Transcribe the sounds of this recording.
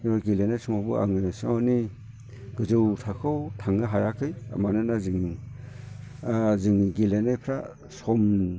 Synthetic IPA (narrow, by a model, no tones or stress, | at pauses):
imaɡilenajsuŋabua̰ŋɯsɯŋani | ɡɯzɯwtʰakʰɯwtʰaŋɯɦajakʰɯja̰manɯnazɯŋ | zɯŋɡilenajpʰɾa | sɔm